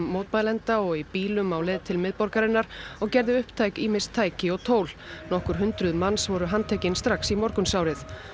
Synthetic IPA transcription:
oːwt̪majlɛnt̪aɔɣipiːlʏmawlɛːðt̪ʰɪlmɪðpɔɾkaɾɪnːaɾ̥ɔɣcɛɾðɪʏhpt̪ʰaːjkiːmɪnst̪ʰːaːjcɪɔɣt̪ʰoːwl̥nɔhkʏɾɦʏnt̪ɾʏðmansvɔɾʏɦant̪ʰejcɪnst̪ɾaxsimɔɾkʏnsjawɾɪθ

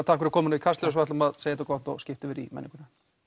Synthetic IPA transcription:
t̪ʰaːkʏɾʏɾkʰɔːmɪnavikʰasɛs̬vɛht̪lɔmaðseːjɛt̪akɔht̪ɔ̰ɣscɪft̪ɪvɛːɾimɛ̰niŋkʏna

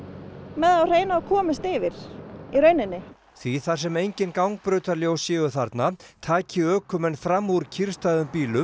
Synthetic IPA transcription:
mɛðawr̥eːjnaːkʰɔːmɪst̪ɪvɪɾ̥iɾœɥnɪnːɪ | θviθḁsɛmejɲcɪnkawŋk̚pɾœːɥt̪aɾljowsjɛːɣʏθaɾt̪nat̪ʰaːcɪœːkʰʏmɛnfɾamːuɾcʰiɾ̥st̪aðʏmpiːlʏ

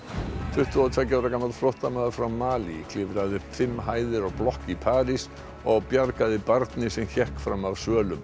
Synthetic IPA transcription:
θʏht̪ɪat̪ʰacavɾakaːmalt̪fɾɔht̪amɛðʏfɾawmaːlikʰlɪvɾaðɪfɪmːɦaːjðɪɾɔɣplɔhkipʰaːɾis | ɔɣpjaɾkaðɪpaɾt̪nɪsɛmçɛhkfɾamavsœːlʏm

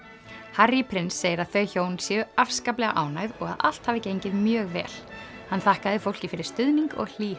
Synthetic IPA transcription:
harjipʰɾɪnsːeːjɪɾaðθœɥçoːwnsjɛʏafskaːplɛɣaʔaːwnaɣðɔɣa̰ðʔa̰l̥t̪haːvɪcejɲcɪðmjœːɣvɛ̰ːl | hanːθahkaðɪfowl̥cɪfɪɾɪɾ̥st̪ʏðniŋkɔ̰ɣl̥iː

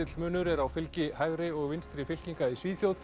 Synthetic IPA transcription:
ɪt̪l̥mʏːnʏɾɛɾawfɪlcɪhajɣɾɪɔɣvɪnst̪ɾɪfɪl̥ciŋkaisviːθjowð

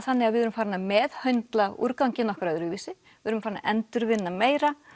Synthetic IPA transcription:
θanːɪɣaðvɪðʏɾʏmfaːɾɪnamɛðhœɥnt̪laṵɾkawcɪnɔhkɾajðʏɾɪviːsɪ | ɪðʏɾʏmfaːɾna̰ʔɛnt̪ʏɾvɪnːameːjɾa

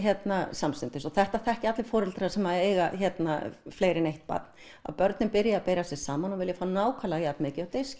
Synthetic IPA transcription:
çɛt̪nasamsɪnt̪ɪsɔθɛht̪aθɛhcɪat̪lɪfɔːɾɛlt̪ɪɾasɛmaðejɣaçɛt̪na̰fleːjɾɪnejht̪̚pa̰t̪n | a̰ðpœɾt̪nɪmpɪɾjaapeːjɾasɛ̥saːmanɔvɪljafaːwnaːwkʰalajat̪nmɪːcɪawt̪ejscɪ

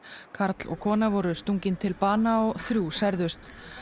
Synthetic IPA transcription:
kʰaɾt̪lɔ̰ɣkʰɔːnavɔɾʏst̪uɲcɪnt̪ʰɪlpaːnaɔɣθɾjuːsɛɾðʏst̪

